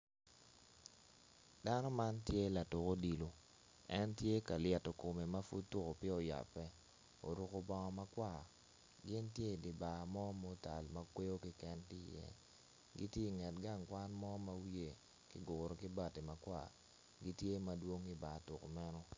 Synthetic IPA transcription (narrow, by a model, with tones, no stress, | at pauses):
da˦nɔ˦ma˦ntje˦la˨to˨ko˦di˨lo˨ | ɛ˦ntje˦ka˨ljɛ˨to˨ko˨me˨ma˦fṵ˦dtʊ˦ko˨pɪ˦o˨ja̰˨pːɛ˦ | o̰˨ɾu˨ko˨bɔ˨ŋɔ˨ma˦kwa˦˨ | ɡɪ˦ntje˦˨di˨ba˨mɔ˦mo˦ta̰˨lma˦kwe˦jo˦kɪ˦kɛ˦nkɪ˦jɛ̰˦ | ɡi˦tje˦i˨ŋɛ˨t̚ɡa˦˨ŋkwa˦nmɔ˦ma˦wije˨ | kɪ˦ɡʊ˨ɾo˨kɪ˦ba˨ti˨ma˨kwa̰˨ | ɡi˦tje˦ma˨dwo˦ŋi˦ba˨tʊ˨ko˨mɛ˦nɔ˦